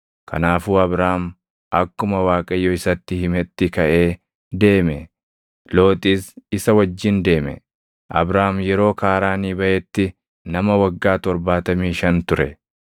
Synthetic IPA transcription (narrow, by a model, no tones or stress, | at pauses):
kʰɐ̰naːfuːɐbɾaːm | ʔɐkːʊmɐwaːkʼɐjːɔɪsɐt̪ːɪhɪmɛt̪ːɪkɐʔe̞ː | d̪e̞ːmɛ | lo̞ːt̪ʼiːsɪsɐwɐd͡ʒːɪnd̪e̞ːmɛ̰ | ʔɐ̰bɾaːmjɛɾo̞ːkaːɾaːniːbɐʔɛt̪ːɪ | nɐmɐwɐɡːaːt̪ɔɾbaːt̪ɐmiːʃɐnt̪ʊɾɛ